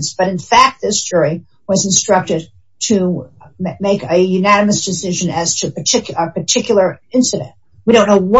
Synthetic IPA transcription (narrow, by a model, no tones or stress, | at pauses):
nsb̥ʌɾɨ̃nfæk̚t̪̚ðɪsd͡ʒɔɹi | wʌzn̩stɹ̥ʌk̚tɨd̚ | tʰɨ | meɪkɨjʉnænɨmɨsd̥ɨsɪʒɨ̃nɨz̥tʰɨpə˞tʰɪkəpʰə˞tʰɪkjl̩ˠə˞ɪ̃nsɨɾɨ̰̃nt̚ | wiɾõʊ̃nːoʊwʌ